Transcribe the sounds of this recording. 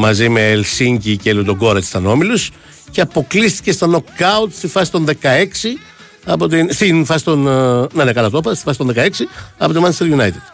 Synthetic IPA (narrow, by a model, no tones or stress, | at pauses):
mɐzime̞ːlsiɲcicelut̪oɡo̞ɾɐt̪i̥st̪ɐno̞milus | ceɐpo̞klist̪i̥ce̞st̪ɐno̞kːɐut̪st̪ifɐsi̥t̪o̞nðe̞kɐe̞ksi | ɐpot̪inst̪infɐsi̥t̪o̞nnenekɐlɐt̪opɐst̪i̥fɐsit̪oðekɐe̞ksiɐpo̞t̪imɐneselʝunɐjt̪id̪̥